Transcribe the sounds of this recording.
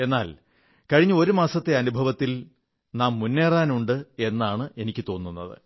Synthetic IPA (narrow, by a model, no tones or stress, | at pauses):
e̞nːaːl | kɐɻiɲːuo̞ɾumaːsɐt̪ːe̞ɐnubʱɐʋɐt̪ːil | naːmːunːeːraːnuɳɖɨe̞nːaːɳɨʔe̞nikʲːɨt̪o̞ːnːunːɐðɨ̰